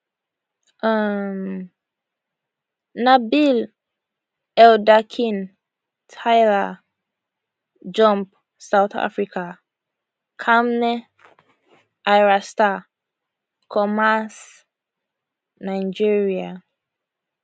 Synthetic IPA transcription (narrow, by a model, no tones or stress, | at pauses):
am | nabil | ɛldakʰĩn | tʰajla | d͡ʒɔ̃mp | sawθa̰fɹika | kʰamnɛ | ʔajɹasta | kʰɔmas | najd͡ʒiɹia